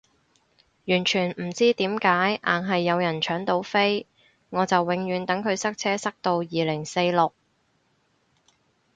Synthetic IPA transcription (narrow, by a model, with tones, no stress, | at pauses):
jyː˨˩nt͡ʃʰyː˨˩nm̩˨˩t͡siː˥t̪iː˨˥mkaː˨˥jʔa̰ː˨˩nɦɐ˨jːɐ˨˧wjɐ˨˩nt͡ʃʰœː˨˥ŋt̪o˨˧wfe˥j | ŋɔː˨˧t͡sɐ˨wːɪ˨˧˥ŋjyː˨˧nt̪ɐ˨˥ŋkʰɵ˨˧ɥsɐ˥k̚t͡sʰɛː˥sɐ˥k̚t̪o˧wjiː˨lɪ˨˩ŋse˧jlʊ˨k̚